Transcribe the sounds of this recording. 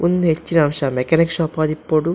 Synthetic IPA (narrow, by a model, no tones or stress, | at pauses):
undet͡ʃːinɐɐmʂɐmekanikʂɐpɐːd̪ipːoːɽu